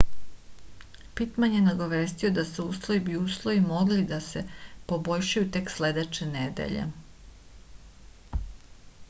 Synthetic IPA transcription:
pit̪maɲjenaɡo̞ʋeːst̪io̞d̪asuuːslˠojibiuːslˠo̞jimo̞ɡlid̪ase̞po̞bo̞jʃajut̪e̞ksle̞d̪et͡ʃened̪ḛʎḛ

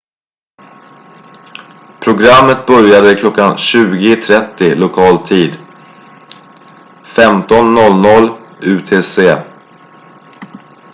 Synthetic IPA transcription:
pʰɾʊɡɾamːət̪̚bœɾjad̪əɪkʰlɔkːanɕʉ̟ːɡɪt̪ʰɾɛt̪ːɪlʊkʰɑːlt̪ʰiːd̪ | fɛmt̪ɔnːɔlnɔlːʉ̟ːt̪ʰeːseː

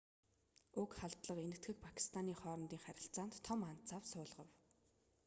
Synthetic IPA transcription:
ʊkχaɮt̪ɮə̆qenɘ̆kt̪ɡɘ̆k̚pʰakʰi̥st̪ʰaniːχɔːɾɞ̆nt̪iːŋχæɾʲɪ̆ɬt͡saːnt̪ʰːɔman̥t̪t͡saːwsʊːɮʁə̰̆w

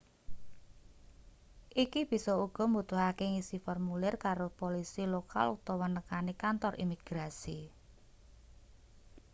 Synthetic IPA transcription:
ʔikib̥i̤sɔuɡ̥ɔ̤mut̪uhakeŋisifɔrmulɛrkaɾopolisiloka̰lut̪ɔwənəkanikant̪ɔrḭmiɡ̥ɾasi

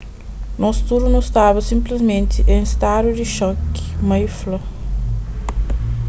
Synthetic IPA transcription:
nɔsu̥t̪uɾnust̪avɐsĩmplizmẽnt̪iʔẽst̪adudiʃɔkmɐjflɐ

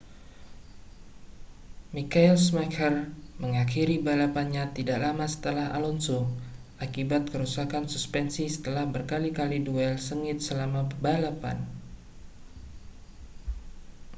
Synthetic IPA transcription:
mikailsmakʰərməŋakiɾibalapanɲat̪idaʔlamasə̥t̪əlaɦa̰lɔnsu | ʔakibat̪̚kəɾusakansuspɛnsisə̥t̪əlahbərkalikaliduɛlsəŋɪt̪̚səlamabalapa̰n

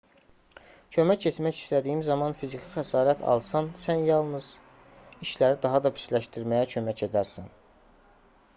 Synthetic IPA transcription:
cʰø̞mæcet̪mæçi̥st̪æd̪iːimzɑmɑnfizicʰixæsɑːɾæt̪ʰɑ̰lˠsɑnsænjɑlˠnɯz̥ | iʃlæɾid̪ɑɦɑd̪ɑpʰi̥slæʃt̪iɾmæjæcʰø̞mæce̞d̪æɾsæn

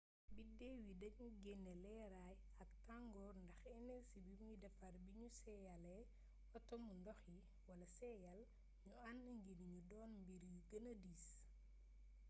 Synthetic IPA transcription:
bidɛːwidɐɲuɡɛnːɛlɛːɾaj | ɐk̚taŋɡɔːrndɐxɛnɛsibimujdɛfɐrbiɲusɛjɐlɛ | ɔtɔmundɔxji | wɐlɐsɛjɐl | ɲuanːɐŋɡinɲudɔːnmbiɾwiɡɐnɐdiːs

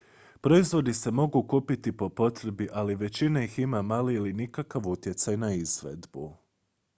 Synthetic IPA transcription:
pɾo̞izʋo̞d̪ise̞mo̞ɡukuːpit̪ipo̞po̞t̪ɾe̞biʔaliʋe̞t͡ɕinaiximamaːliːlinikakaʋut̪je̞t̪sajnaizʋe̞̰d̪bu

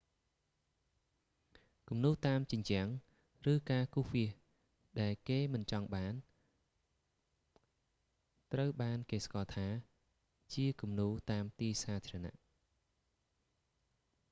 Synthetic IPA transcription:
kumnuːt̪aːmt͡ɕəɲt͡ɕɛ̆əŋ | rɨːkaːkuhʋiəh | ɗaɛlkeːmɨnt͡ɕɑŋɓaːn | t̪rəwɓaːnkeːskɑːlt̪ʰaː | t͡ɕiəkumnuːt̪aːmt̪iːsaːt̪ʰiːrəna̰ʔ

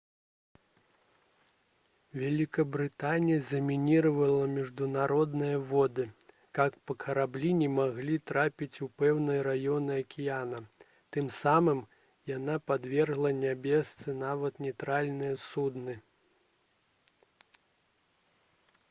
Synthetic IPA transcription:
vʲalʲikɐbɾɨt̪anʲijɐzɐmʲinʲiɾɐvɐlˠɐmʲiʐd̪unaɾɔd̪nɨjɐvɔd̪ɨ | kakpɐkʰɐɾablʲinʲɛmaɣlʲit̪ɾapʲit͡sʲupɛwnɨjɐɾajɔnɨɐkʲijanɐ | t̪ɨmsamɨm | janapad̪vʲɛrɣlˠɐnʲabʲɛst̪sɨnavɐt̪nʲɛt̪ɾalʲnɨjɐsud̪nɨ

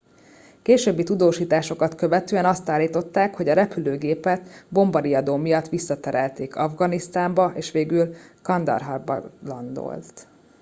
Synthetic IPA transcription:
keːʃøːbːit̪ud̪oːʃiːt̪aːʃo̞kɒt̪kø̞vɛt̪øːɛnɒst̪aːlːiːt̪o̞t̪ːaːkho̞ɟɒɾɛpyløːɡeːpɛt̪bo̞mbɒɾiɒd̪oːmijɒt̪ːʋisːɒt̪ɛɾɛlt̪eːkʰɒvɡɒnist̪aːmbɒʔeːʃʋeːɡylkɒnd̪ɒ̰rɦɒrbɒ̰lɒ̰nd̪o̰lt̪

